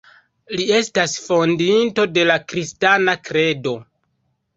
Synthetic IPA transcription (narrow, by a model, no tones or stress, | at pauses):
lie̞stasfo̞ndinto̞de̞lakɾistanakɾe̞do̞